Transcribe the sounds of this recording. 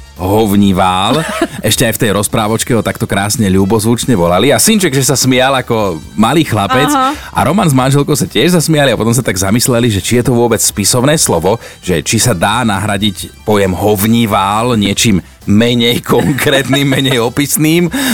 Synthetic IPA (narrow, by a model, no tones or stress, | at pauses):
ɦɔʋɲiʋaːlɛʃcɛajft̪ɛjɾɔspɾaːʋɔt͡ʃkɛɦɔt̪akt̪ɔkɾaːsɲɛʎuːbɔzʋut͡ʃɲɛʋɔlaliasint͡ʃɛɡʒɛsasmɪalakɔ | maliːxlapɛt͡sʔa̰ɾɔmanzmanʒɛlkɔʊsacɪɛʒzasmiɪaliapɔt̪ɔms̬at̪aɡzamislɛliʒɛt͡ʃijɛt̪ɔʋʊɔbɛt͡sspisɔʊnɛːslɔʋɔʒɛt͡ʃisad̪aːnaɦɾaɟicpɔjɛmɦɔʋɲiʋaːlɲɪɛt͡ʃiːmː | ɛɲɛjkʰɔŋkɾɛːt̪nimːɛɲɛjɔpisniːm